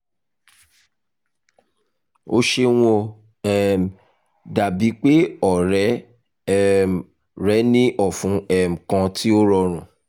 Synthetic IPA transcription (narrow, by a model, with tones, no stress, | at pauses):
o˧ʃe˧w̃ɔ̃˧ | ɛ˦˨m˨ | da˨bi˨˦k͡pe˦ɔ˦˨ɾɛ˨˦˨ | ɾɛ˨˦nĩ˦ʔɔ˦˨fũ˨˦ɛ˦˨m̩˨kã˧ti˦o˦ɾɔ˧ɾ̃ũ˨